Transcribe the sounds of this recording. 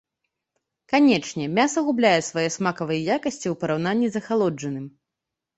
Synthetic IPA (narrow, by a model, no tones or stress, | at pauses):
kanʲɛt͡ʂnʲɛmʲasɐɣublʲajɛsvajɛsmakɐvɐjɛjakɐsʲt͡sʲiwpɐɾawnanʲːizɐxalˠɔd͡ʐɐnɨm